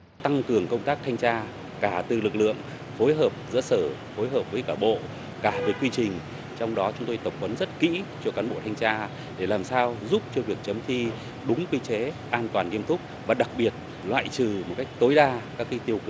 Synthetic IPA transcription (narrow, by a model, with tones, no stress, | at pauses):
t̪a˧ŋkɨ˨˩əŋkə˧wŋ͡mt̪aː˦˥k̚t̪ʰa˧jŋ̟t͡ɕaː˧ | kaː˧˩t̪ɨ˨˩lɨ˨˩k̚lɨ̰˧˨əŋ | fo˨˦jɦəː˨˩p̚zɨ̰˧˥səː˧˩ | fo˨˦jɦəː˨˩p̚vəː˨˦jkaː˧˩ɓo̰˧˨ | kaː˧˩veː˨˦kːwi˧t͡ɕï˨˩ŋ̟ | t͡ɕɔ˧wŋ͡mɗɔ˨˦t͡ɕʊ˨˦ŋ͡mt̪o˧jt̪ə˨˩wk͡p̚və˨˦nzə˦˥t̚kḭ˧˥t͡ɕɔ˧kaː˨˦nɓo̰˧˨t̪ʰa˧jŋ̟t͡ɕaː˧ | ɗe˧˩laː˨˩msaː˧wzu˦˥p̚t͡ɕɔ˧vi˨˩ək̚t͡ɕə˨˦mt͡ɕ̪ʰi˧ | ɗʊ˨˦ŋ͡mkwi˧t͡ɕe˨˦ʔaː˧nt̪waː˨˩nŋi˧əmt̪ʰʊ˦˥k͡p̚vaː˨˩ɗa˨˩k̚ɓi˨˩ət̚ | lwa̰ː˧˨jt͡ɕɨ˨˩mo˨˩t̚ka˦˥jk̚t̪o˨˦jɗaː˧kaː˦˥kːi˦˥t̪i˧əwk